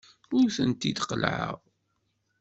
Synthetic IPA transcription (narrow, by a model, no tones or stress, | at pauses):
ʊɾθənt̪id̪qəlʕə̰ʁ